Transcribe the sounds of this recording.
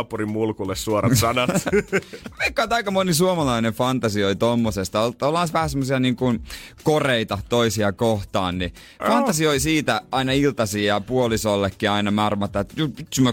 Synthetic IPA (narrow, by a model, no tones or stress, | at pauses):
purimmulkulːessuorɑsɑnɑt̪ | mekːˑɑːnt̪ɑikɑmonisuomɑlɑinefɑnt̪ɑsioit̪omːosest̪ɑololhɑˑsʋæhæsemːosiɑniːŋkunkoreit̪ɑt̪oisiɑkoht̪ɑ̰ːnni | fɑnt̪ɑsioisiːt̪æɑinɑilt̪ɑsiːjɑpuolisolːekːiɑinɑmɑrmɑt̪ːˑɑt̪jupit̪symːæ